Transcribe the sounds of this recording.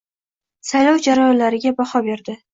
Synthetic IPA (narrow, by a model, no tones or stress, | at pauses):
sajlɒwd͡ʒaɾajɒnlaɾɪɡʲabahɒbe̞ɾd̪ɪ